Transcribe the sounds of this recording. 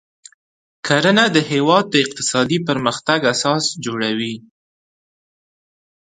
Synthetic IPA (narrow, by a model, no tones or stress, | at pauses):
kʰaɾənad̪əhewɑd̪̚ːəɪq̚t̪ɪ̥sɑd̪ipəɾməxt̪aɡasɑsd͡ʒoɽawi